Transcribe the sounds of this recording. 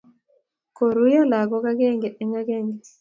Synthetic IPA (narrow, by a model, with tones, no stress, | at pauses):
ko˨ɾu˦ja˦la˨ɡɔ˦ka˦ɡɛ˦ŋɡe˨ʔɛ˨ŋa˦ɡɛ˦˨ŋɡe˨